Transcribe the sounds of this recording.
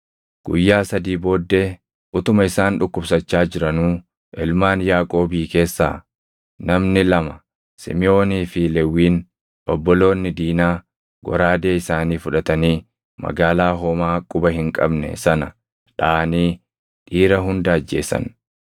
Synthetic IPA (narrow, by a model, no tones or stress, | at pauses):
ɡ̥ʊ̰jːaːsɐd̪iːbo̞ːd̪ːeː | ʔʊt̪ʊmɐɪsaːnᶑʊkːʊbsɐt͡ʃːaːd͡ʒɪɾɐnuː | ʔɪlmaːnjaːkʼo̞ːbiːke̞ːsːa̰ː | nɐmnɪlɐmɐ | sɪ̰mɪo̞ːniːfɪlɛwːiːn | ʔɔbːɔlo̞ːnːɪd̪iːnaː | ɡɔ̰ɾaːd̪e̞ːɪsaːniːfʊᶑɐt̪ɐniː | mɐ̰ɡaːlaːɦoːmaːkʼʊbɐɦɪŋkʼɐ̰bnɛ̰sɐnɐ | ᶑaːniː | ᶑiːɾɐɦʊnd̪ɐːd͡ʒːe̞̰ːsɐ̰n